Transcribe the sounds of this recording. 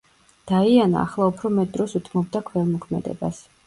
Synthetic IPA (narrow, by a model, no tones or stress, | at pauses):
d̪̥aiana̰ːχlˠaupʰɾɔmɛt̪̚d̪ɾɔsut̪ʰmɔb̚d̪akʰwɛlˠmɔkʰmɛ̰d̪ɛ̰ba̰s